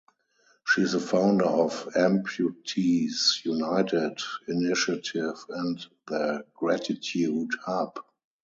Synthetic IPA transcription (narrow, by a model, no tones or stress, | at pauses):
ʃiːɪzəfãʊ̃ndə˞ɔfɛ̃mpʰjutʰisjunaɪtɪdɪnɪʃatʰɪvɛ̃ntðəɡ̥ɹætɪtʰjudhap